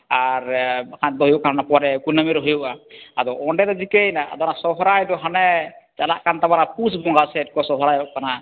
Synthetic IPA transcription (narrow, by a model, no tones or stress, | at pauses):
aɾkant̪̚d̪ɔɦjuʔkananapɔaɾɛkunəmiɾɔɦjuʔaːd̪ɔʔɔɳɖɛd̪ɔd͡ʒikejnaʔa̰d̪ɔnasɔɦɔɾajd̪ɔɦanɛt͡ʃalaʔkant̪aβanapusbɔŋɡasɛt̪̚kɔsɔɦɔɾajɔʔkana